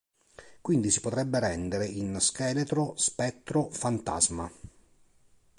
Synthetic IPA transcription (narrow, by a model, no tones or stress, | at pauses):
kwind̪isi̥pot̪ɾɛbːeɾɛnd̪eɾeinskɛːlet̪ɾospɛt̪ːɾofant̪a̰zma